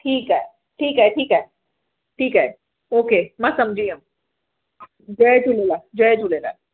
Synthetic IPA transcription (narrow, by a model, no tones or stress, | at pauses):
ʈʰiːkɦɛː | ʈʰiːkɦɛʈʰiːkɦɛ | ʈʰiːkɦɛː | oːkeːmɛsɐmd͡ʒʱiɦãm | d͡ʒəed͡ʒʰuleːlad͡ʒəed͡ʒuleːla̰